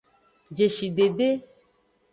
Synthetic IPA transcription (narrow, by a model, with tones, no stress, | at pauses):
d͡ʒe˨ʃi˨ɖe˨ɖe˦